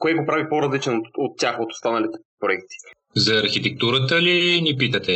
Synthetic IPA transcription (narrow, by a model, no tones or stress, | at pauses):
koɛɡopɾavipoɾɐzlit͡ʃɛnot̪ot̪ːʲjaxot̪o̥st̪anɐlit̪ɛ̥pɾoɛk̚t̪i̥ | zɐːɾxit̪ɛk̚t̪uɾət̪əlinipit̪ət̪ɛ